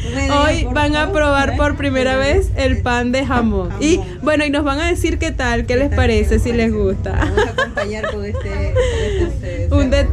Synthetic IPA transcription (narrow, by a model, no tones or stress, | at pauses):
ojbaŋapɾo̞βaɾpo̞ɾpɾime̞ɾaβe̞se̞lpand̪e̞ɦamõŋi | bwe̞no̞ino̞zβaŋaðe̞siɾke̞t̪alke̞le̞spaɾe̞se̞sile̞sɣust̪a̰ | und̪e